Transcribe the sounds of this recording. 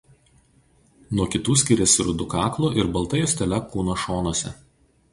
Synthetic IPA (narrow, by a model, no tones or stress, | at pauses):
nuɔkʲɪt̪uːsʲkʲɪɾʲɛsʲɪɾʊd̪ʊkɑːklˠuʔɪɾbɐlˠˑt̪ɐjosʲt̪ʲɛlʲɛkuːnoːʃoːnuɔsʲɛ̰